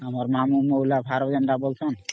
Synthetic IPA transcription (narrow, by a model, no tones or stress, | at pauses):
amaɾmamumolapaɾɔbd͡ʒanɳɖabolt͡ʃʰɔn